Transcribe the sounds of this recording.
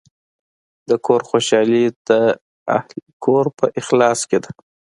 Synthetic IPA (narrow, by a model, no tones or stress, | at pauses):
d̪əkʰoɾxoʃɑlid̪ə | a̰hlkʰoɾpəʔɪxlɑsked̪ḁ